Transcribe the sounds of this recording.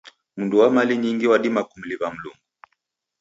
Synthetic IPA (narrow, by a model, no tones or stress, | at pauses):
munduwamaliɲiŋɡiwaɗimakum̩liβam̩luŋɡu